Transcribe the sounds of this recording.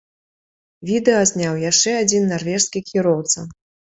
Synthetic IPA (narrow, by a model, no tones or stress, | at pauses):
vʲid̪ɛɐzʲnʲawjaʂt͡ʂɛad͡zʲinːarvʲɛʂskʲikʲiɾɔwt̪sɐ